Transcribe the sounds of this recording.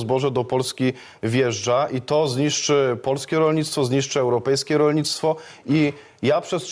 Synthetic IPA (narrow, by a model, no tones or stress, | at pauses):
zbɔʐɛd̪ɔpɔlskʲi | vʲjɛʐd͡ʐaʔit̪ɔzɲiʂt͡ʂɘpɔlskʲɛɾɔlɲit̪st̪fɔzɲiʂt͡ʂɘɛwɾɔpɛjskʲɛɾɔlɲit̪st̪fɔ | i | japʂɛs